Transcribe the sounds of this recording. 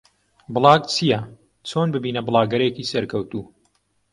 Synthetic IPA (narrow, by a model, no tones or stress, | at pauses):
bɨlˠɑːɡt͡sʰijɐ | t͡sʰoːnbɨbiːnɐbɨlˠɑːɡɐɾekiːsɐɾkʰɐwt̪uː